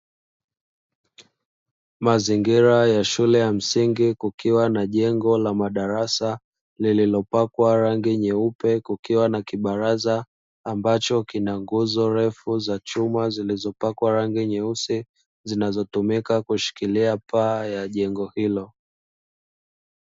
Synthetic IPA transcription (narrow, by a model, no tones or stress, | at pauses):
maziŋɡiɾajaʃulɛjam̩siŋɡikukiwanaʄɛŋɡɔlamaɗaɾasa | lililɔpakwaɾaŋɡiɲɛupɛkukiwanakiɓaɾazaː | mbat͡ʃɔkinaŋɡuzɔɾɛfuzat͡ʃumazilizɔpakwaɾaŋɡiɲɛusi | zinazɔtumikakuʃi̥kiliapaːjaʄɛŋɡɔhilɔ